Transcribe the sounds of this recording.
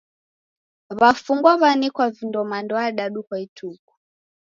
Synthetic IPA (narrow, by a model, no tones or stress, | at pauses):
βafuŋɡwaβanikwavindɔmandɔaɗaɗukwaitʰuːku̥